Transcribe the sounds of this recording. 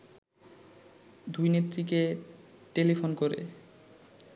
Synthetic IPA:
d̪ujnet̪ːɾikeʈelifʰonkoɾḛ

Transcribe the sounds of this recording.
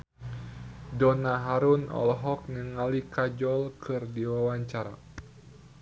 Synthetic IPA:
dɔnaɦaɾunɔ̰lɦɔk̚nəŋalikad͡ʒɔlkʰɨrdiwawaɲt͡ʃaɾa̰

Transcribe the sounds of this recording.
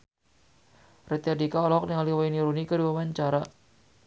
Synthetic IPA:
rɛt̪iardikaɔlɔɔk̚dəŋaliwainiɾunikəduamaɲt͡ʃaɾa

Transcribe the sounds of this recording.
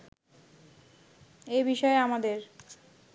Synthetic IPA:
ebiʃɔeamad̪eɾ

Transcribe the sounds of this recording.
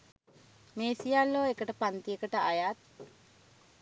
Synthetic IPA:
meːsijalːoːekəʈəpant̪iəkəʈəajat̪̚

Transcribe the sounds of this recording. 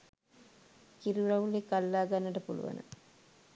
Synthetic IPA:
kiɾuɾɐʋulikalːaːɡanːəʈəpulṵʋa̰nə̰

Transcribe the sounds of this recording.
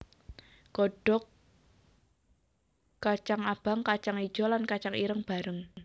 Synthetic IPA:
ɡ̥ɔɖ̥ɔ̤k | at͡ʃaŋab̥aŋkat͡ʃaŋid̥ʒ̥ɔ̤lankat͡ʃaŋiɾəŋb̥a̤ɾəŋ

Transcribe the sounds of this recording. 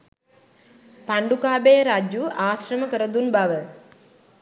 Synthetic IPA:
paɳɖukaːbejəɾad͡ʒjuaːɕɾəməkəɾəd̪unbaʋə

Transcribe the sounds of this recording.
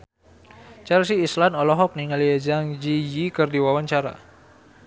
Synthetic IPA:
t͡ʃaɾasiːslanɔlɔɦɔk̚niŋaliad͡ʒaŋd͡ʒijikərdiwawaɲt͡ʃaɾa̰

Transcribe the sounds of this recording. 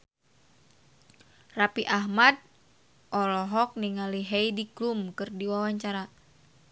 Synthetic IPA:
rapiʔaɦmad̚ | ʔɔlɔɦɔk̚niŋaliɦeidiklumkɨrdiwawaɲt͡ʃaɾa

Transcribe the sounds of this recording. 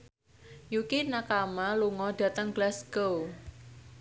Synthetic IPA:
jukinakamaluŋɔɖ̥ä̤t̪əŋɡ̥lasɡ̥ow

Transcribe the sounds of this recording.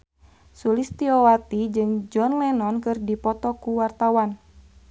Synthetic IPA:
sulist̪iowat̪id͡ʒɨŋd͡ʒɔnlɛnɔnkɨrdipɔt̪ɔkuwart̪awan

